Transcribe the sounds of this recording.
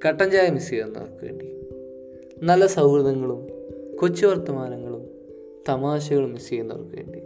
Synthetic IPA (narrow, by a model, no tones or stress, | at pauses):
kɐʈːɐɲd͡ʑaːjɐmisijenːo̰rɐkːuḛːɳɖi | nɐlːɐsɐwɾuðɐŋːɐɭumkot͡ɕːuʋɐrt̪ːɐmaːɾɐŋːɐɭum | t̪ɐmaːɕɐɣɐɭumːisijɐnːo̰rɐkːuḛːɳɖi